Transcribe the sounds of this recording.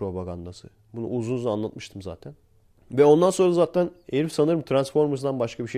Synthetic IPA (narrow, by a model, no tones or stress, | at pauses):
ɾo̞paɡand̪asɯ̰ | bunṵuzunuzanlːˠat̪̚mɯ̥ʃt̪ʰɯmza̰ːt̪ʰæn | vɛo̞nd̪ansonɾazaːt̪ʰæneɾifsanɯɾmɯt̪ʰɾansfo̞ɾmɯs̬d̪anbaʃkʰabiʃe